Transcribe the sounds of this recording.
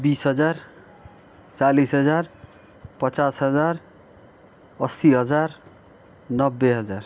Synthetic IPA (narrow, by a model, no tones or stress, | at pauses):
bisɦʌd͡zar | t͡salisɦʌd͡zar | pʌt͡sasɦʌd͡zar | ʌsiɦʌd͡zar | nʌbːeɦʌd͡zar